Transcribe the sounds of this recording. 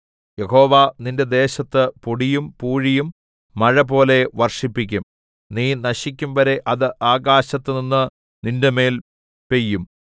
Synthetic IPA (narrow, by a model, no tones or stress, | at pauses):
je̞ho̞ːʋaninde̞d̪e̞ːɕɐt̪ːɨpoɽijumpuːɻijumː | ɐɻɐpo̞ːle̞ʋɐrʂipːikʲːum | niːnɐɕik̬ʲːumʋɐɾe̞ʔɐðɨʔaːɡaːɕɐt̪ːɨninːɨ | nindeme̞ːl | pe̞jːum